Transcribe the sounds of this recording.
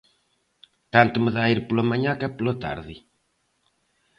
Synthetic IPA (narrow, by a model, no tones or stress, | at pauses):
t̪ant̪uməðaiɾpulomɐɲãkɛpulot̪a̰ɾðɪ